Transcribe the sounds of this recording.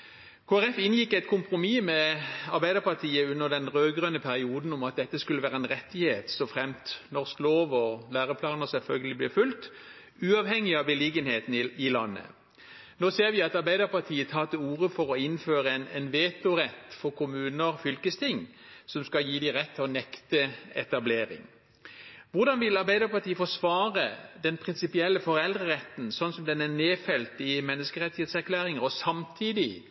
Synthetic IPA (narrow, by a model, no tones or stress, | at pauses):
kʰoːæʁɛfɪnjɪkːæɪt̪̚kʰʊmpɾʊmiːmɛɑɾbæɪd̪əɾpɑt̪ʰiːəʉnːəʁd̪ɛnʁøːɡʁœnːəpʰæɾɪuːd̪n̩ʊmɑt̪̚d̪ɛt̪ːəskʉlːəʋæːʁəɛnʁɛt̪ːɪheːt̪sɔfʁɛmt̪nɔʁskloːʋɔlæːʁəpʰlɑːnəʁsɛlfœlɡəlɪblɛːfʉlt̪ | ʉːɑʋhɛŋːɪɑbəliɡənheːt̪nɪɪlɑnːə̰ | noːseːɾʋɪɑt̪ɑɾbæɪd̪əɾpɑt̪ʰiːət̪ʰɑːt̪əuːʁəfɔɾɔɪnːføːɾəɛnɛnʋeːt̪ʊʁɛt̪ːfɔʁkʰʊmʉːnəɾfʏlkəst̪ʰɪŋːsɔmskɑjiːd̪ɪʁɛt̪ʰːɪlɔnɛkt̪əɛ̰t̪ɑbleːɾɪ̰ŋ | ʋʊɾd̪ɑnʋɪlɑɾbæɪd̪əɾpɑt̪ʰiːəfɔʂʋɑːʁəd̪ɛnpʰʁɪnsɪpɪɛlːəfɔɾɛld̪ʁəʁɛt̪ːn̩sɔnsɔmd̪ɛnæneːfɛlt̪ɪmɛnːəskəɾʁɛt̪ːɪheːt̪sæɾkʰlæːɾɪŋəɾɔsɑmt̪ʰiːd̪ɪ